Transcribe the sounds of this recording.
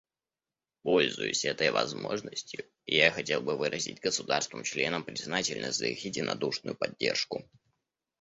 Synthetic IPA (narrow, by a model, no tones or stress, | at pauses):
po̞lʲzʊjʊsʲɛt̪əjvɐ̰zmo̞̰ʐnəsʲtʲjʊ | ɪjaxɐtʲe̞lˠbɨvɨɾʔəzʲɪ̰tʲɡəsʊd̪arst̪vɨmt͡ɕlʲe̞nəmpɾʲɪznatʲɪlʲnə̰zəxɪdʲɪnɐd̪uʂnʊ̰jʊpɐdʲːe̞̰rʂkʊ